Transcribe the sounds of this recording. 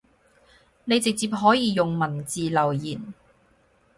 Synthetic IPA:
ne˨˧jt͡sɪ˨k̚t͡siː˨p̚ɦɔː˨˥jiː˧jʊ˨ŋmɐ˨˩nt͡siː˨lɐ˨˩wjiː˨˩n

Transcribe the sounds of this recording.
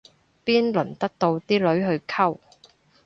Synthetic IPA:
piː˥nlɵ˨˩nt̪ɐ˥k̚t̪o˧wt̪iː˥lɵ˨˥ɥɦɵ˨˧ɥkʰɐ˥w

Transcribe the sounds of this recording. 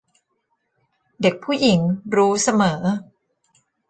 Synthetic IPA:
de˨˩k̚pʰuː˥˩ji˨˩˦ŋɾuː˦˥sa˧mɤː˩˦

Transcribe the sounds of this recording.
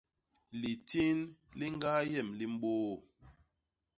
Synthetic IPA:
li˨ti˦nli˦ŋ˦ɡa˦jɛ˦˨mli˦m˦ɓoː˦˨

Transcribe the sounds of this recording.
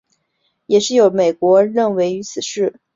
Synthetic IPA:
jɛ˨˩ʂɻ̩˥˩jo˧˥ʊme˨˩ɪkwɔ˧˥ɻə˥˩nwe˧˥ɪy˧˥t͡sʰɹ̩˨˩ʂɻ̩˥˩

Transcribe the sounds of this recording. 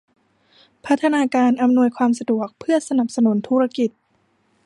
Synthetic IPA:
pʰa˦˥t̪ʰːa˧naː˧kaː˧nʔa˧mnu˧əjkʰwaː˧msa˧du˨˩ək̚pʰɯ˥˩ɐsa˧na˨˩p̚sa˧nu˩˦nt̪ʰuː˦˥ɾa˧ki˨˩t̪̚

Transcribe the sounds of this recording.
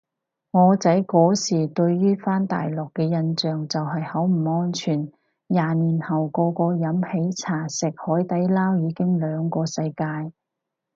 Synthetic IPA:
ŋɔː˨˧t͡sɐ˨˥jkɔː˨˥siː˨˩t̪ɵ˧ɥjyː˥faː˥nt̪a̰ː˨jlɔː˨˩kːɛː˧jɐ˧nt͡ʃœː˨ŋt͡sɐ˨whɐ˨jhɐ˨˥wm̩˨˩ŋɔː˥nt͡ʃʰyː˨˩n | jaː˨˩niː˨˩nhɐ˨˩wkɔː˧kɔː˧jɐ˨˥mhe˨˥jt͡sʰaː˨˩sɪ˨k̚hɔː˨˥jt̪ɐ˨˥jlaː˥wjiː˨˧kɪ˥ŋlœː˨˧ŋkɔː˧sɐ˧jkaː˧j

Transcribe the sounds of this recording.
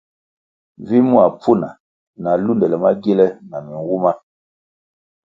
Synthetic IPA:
vi˦mu˦a˨pʰu˦na˨ | na˨lu˦ndɛ˨lɛ˨ma˦ɡe˦lɛ˦na˨mi˨ŋwu˦ma˦

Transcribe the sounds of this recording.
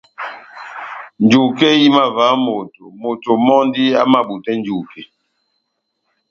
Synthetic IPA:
n˨d͡ʒu˨ke˦ji˦ma˦˨va˨˦mo˨to˨mo˨to˨mɔ˦n˦di˦a˦ma˦˨ɓu˨tɛ˦n˦d͡ʒu˨ke˨

